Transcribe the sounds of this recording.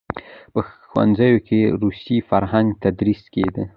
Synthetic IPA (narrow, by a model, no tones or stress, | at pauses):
pəxwa̰nzajokʲeɾusifaɾɦaŋɡt̪ad̪ɾiskʲed̪ə